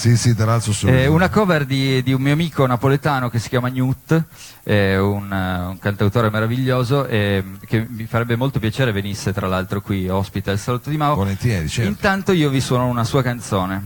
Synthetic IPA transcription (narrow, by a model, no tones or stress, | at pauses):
sisit̪ɾalalt̪ɾosoɛunakɔverd̪id̪iummiːoamiːkonapolet̪aːnok̟esːikʲjaːmaɲut̪ː | ɛunuŋkant̪awt̪oːɾemeɾaviʎːoːzoʔɛkemifaɾɛbːemolt̪opjat͡ʃeːɾevenisːet̪ɾalalt̪ɾokwiɔspit̪aelsalot̪ːod̪imaːooment̪ined̪it͡ʃɛiint̪ant̪oiːoviswɔːnounasuːakant̪soːne